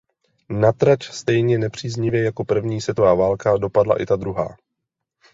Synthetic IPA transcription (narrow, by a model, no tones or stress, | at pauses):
nat̪ɾat͡ʃst̪ɛjɲɛnɛpr̝̥iːzɲɪvjɛjako̞pr̩vɲiːsvjɛt̪ovaːvaːlkado̞padla̰ʔɪ̰t̪ad̪ɾuɦa̰ː